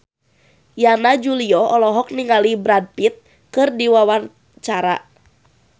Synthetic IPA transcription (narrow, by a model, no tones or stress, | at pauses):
janad͡ʒuliɔɔlɔɦɔk̚niŋalibɾad̚pit̪̚ | kɨrdiwawar | t͡ʃaɾa̰